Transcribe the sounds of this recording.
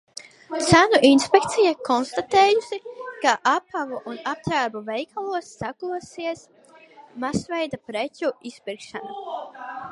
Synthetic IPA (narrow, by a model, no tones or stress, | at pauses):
t̪sænuʔinspʲek̚t̪sijakɔnst̪at̪eːjusikaʔapavuʔunap̚t̪ɾaːɾbuvɛjkʰalˠuɔsːakuɔsiɛs | masvɛjd̪apɾecʲuispiɾkʃana